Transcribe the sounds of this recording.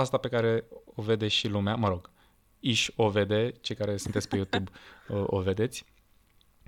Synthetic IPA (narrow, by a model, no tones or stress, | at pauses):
ast̪ape̞kaɾe̞ove̞d̪e̞ʃilumeaməɾo̞ɡ | iʃo̞ve̞d̪e̞t͡ʃe̞jkaɾe̞sunt̪esʲpe̞jut̪ubəʔo̰ve̞d̪e̞t̪sʲ